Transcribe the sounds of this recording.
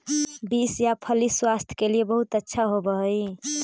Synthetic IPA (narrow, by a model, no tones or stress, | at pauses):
bisjapʰəliswast̪ʰkeliebəɦut̪ətːʃʰaɦobəɦəj